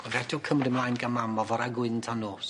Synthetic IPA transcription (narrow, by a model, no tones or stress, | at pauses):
ɔvɛdʊkʰəmdəmlˠajnɡamamɔvɔɾaɡwɪntʰanoːs